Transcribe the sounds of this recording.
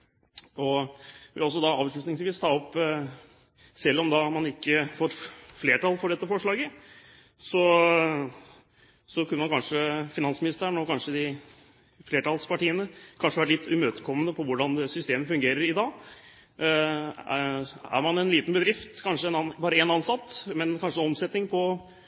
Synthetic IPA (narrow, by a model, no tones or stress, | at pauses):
ɔʋɪ̰lɔs̬ɔd̪ɑɑːʋʂɭʉt̪nɪŋsʋiːst̪ʰɑːɔpː | sɛlːɔmd̪ɑmɑnɪkːəfoːɾfleːʈɑlfɔɖɛt̪ːəfɔʂɭɑːɡə | sɔ | sɔkʰʉnəmɑnkɑnʂəfɪnɑnsmɪnɪst̪əɳɔkɑnʂəd̪ɪ | fleːʈɑlspɑʈiːənəkʰɑnʂəʋæʈlɪt̪ʰːʉmøːt̪əkʰɔmːənəpʰɔʋʊɖɑnd̪ɛsʏst̪eːməfʉŋɡeːɾəɾɪd̪ɑːɡ | æ̰ɾmɑnɛnliːt̪n̩bəd̪ɾɪft̪kʰɑnʂəɛnɑbɑːɾəɛnɑnsɑt̪ːmɛnkʰɑnʂəɔmsɛt̪nɪŋpʰɔ